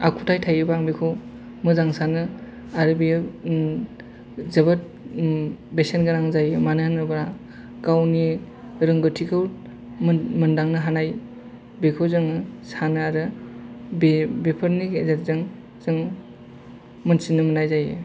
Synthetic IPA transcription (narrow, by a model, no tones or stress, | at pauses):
a̰kʰutʰajtʰajɯbaŋbekʰɯw | mɯzaŋsanɯ | aɾɯbe | zɯbɯt̚ | besenɡɯɾaŋzajɯmanɯhanɯbɾa | ɡawni | ɾɯŋɡɯtʰikʰɯw | mɯndaŋnɯɦanaj | bekʰɯwzɯŋɯsanɯaɾɯ | bebepʰɯɾniɡezet̚zɯŋ | z̥ɯŋ | mɯnsinɯmɯnajzaje